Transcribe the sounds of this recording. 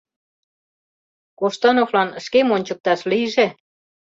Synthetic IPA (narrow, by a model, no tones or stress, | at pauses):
koʃt̪ɑnoflɑnʃkemonʲt͡ɕə̆k̚t̪ɑʃliʒe